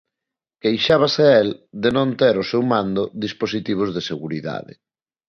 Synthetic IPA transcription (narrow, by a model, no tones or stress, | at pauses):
kejʃaβ̞aseɛld̪enõnt̪eɾosewmãnd̪oðisposit̪iβ̞ozðeseɣuɾiða̰ðḛ